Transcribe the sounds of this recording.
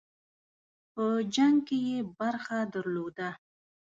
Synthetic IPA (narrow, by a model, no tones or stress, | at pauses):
pəd͡ʒaŋɡkejebaɾxad̪əɾlod̪a